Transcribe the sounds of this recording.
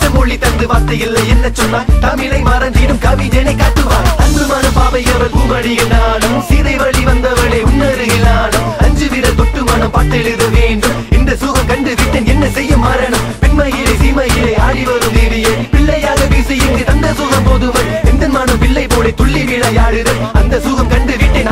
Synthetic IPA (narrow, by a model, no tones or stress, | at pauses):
t͡ʃːɐmɔɭːit̪ːɐnd̪ɯʋaːt̪ɐjɪlːɐɛnːɐt͡ʃːɔnːaːt̪ɐmɪlɐɪmaːɾɐnd̪iːnɯmkɐʋɪd͡ʒɛnɐɪkːaːʈːɯʋaːɐndɯmaːnɐmpaːʋɐɪjɐʋɐɾkuːmɐɽɪjɐnaːnɯmsiːðɐɪʋɐɭiʋɐnd̪ɐʋɐɭeʊnːɐɾɯɪlaːnɯmɐɲd͡ʒɯʋɪɾɐlt̪ɔʈːɯmɐnɐmpaːt̪ːɛɻɯðɐʋeːɳɖɯmɪnd̪ɐsuːɣɐmkɐɳɖɯʋɪʈːɐnɛnːɐsɛjːɐmːaːɾɐnɯmpɪnmɐjɪlɐɪsiːmɐjɪlɐɪaːɽɪʋɐɾɯmd̪eːʋɪjɐpɪɭːɐjaːɣɐpiːsɛjɯnɡɐt̪ɐnd̪ɐsuːɣɐmpoːðɯmɐlɛnd̪ɐnmaːnɯmpɪɭːɐɪpoːlɐɪt̪ɔɭːiʋiːɭɐjaːɻɯðɐɐnd̪ɐsuːɣɐmkɐɳɖɯʋɪʈːɐn